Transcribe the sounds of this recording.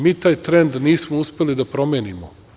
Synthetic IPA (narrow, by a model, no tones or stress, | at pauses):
miːt̪aːjt̪ɾend̪niːsmouspe̞lid̪apɾo̞mjeːnimo